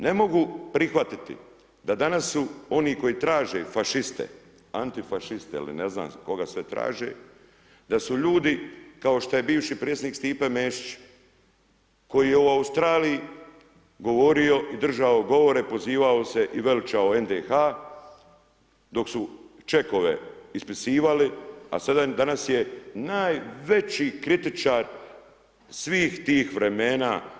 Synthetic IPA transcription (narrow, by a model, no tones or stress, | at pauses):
ne̞mo̞ɡupɾixʋat̪it̪ḭ | d̪ad̪anasːuo̞niːko̞iːt̪ɾaːʒḛfaʃist̪ḛ | a̰nt̪ifaʃist̪ḛḭlḭnezna̰ːmko̞ɡasʋet̪ɾa̰ːʒḛ | d̪asuʎuːd̪ikao̞ʃt̪aje̞biːʋʃipɾet̪senikst̪iːpemeːʃi̥t͡ɕ | ko̞jije̞uaust̪ɾaːliji | ɡo̞ʋo̞ɾio̞ʔid̪r̩ʒaoɡo̞ʋo̞ɾe̞po̞ziːʋaose̞ʔiʋe̞lt͡ʃaoe̞nd̪exa | d̪o̞ksut͡ʃe̞ko̞ʋe̞̰ispisiːʋalia̰sad̪ad̪anasjenaːjʋe̞t͡ɕikɾit̪it͡ʃaɾ | sʋiːxt̪iːxʋɾe̞meːnaː